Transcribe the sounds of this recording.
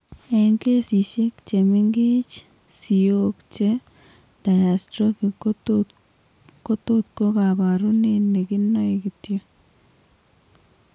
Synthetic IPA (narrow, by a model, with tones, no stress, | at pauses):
eŋke˦si˨ʃe˦kt͡ʃe˨mi˦ŋɡi˦t͡ʃ | si˨okt͡ʃe˦ | d̥a˨ja˨stɾo˦ki˨k | ko˦t̪o˦t̪̚ko˦ka˨βa˨ɾu˦ne˦nːe˨ɡi˦nːa˦e˨ɡi˨tjo˦